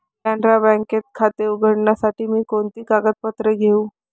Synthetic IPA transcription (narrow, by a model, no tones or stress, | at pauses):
tãɳɖɾabɛ̃ŋket̪̚kʰat̪euɡʱəɽɳjasaʈiːmiːkoɳt̪iːkaɡət̪̚pət̪ɾeɡʱeũː